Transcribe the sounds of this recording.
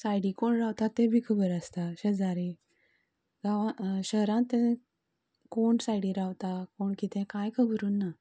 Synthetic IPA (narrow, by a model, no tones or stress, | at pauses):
sajɽikoɳɾawt̪at̪ːẽbʱiːkʰəbəɾəst̪aɕəd͡zaɾi | ɡaʋãɕəɦɾãt̪ːẽ | koɳsajɽiɾaʋt̪akoɳkit̪ɛ̃kajkʰəbɾuːnːa